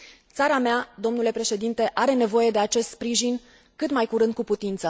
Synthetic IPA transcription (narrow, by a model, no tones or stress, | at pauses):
t̪saɾamad̪o̞mnule̞pɾe̞ʃe̞d̪int̪e̞ʔaɾe̞ne̞vo̞je̞d̪e̞at͡ʃe̞st̪spɾiʒin | kɨt̪majkuɾɨnd̪̚kuput̪int̪sə